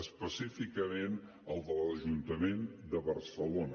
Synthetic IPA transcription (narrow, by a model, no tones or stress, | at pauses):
əspəsifikəmen | əlˠd̪ələʒunt̪əmend̪əβərsəlonə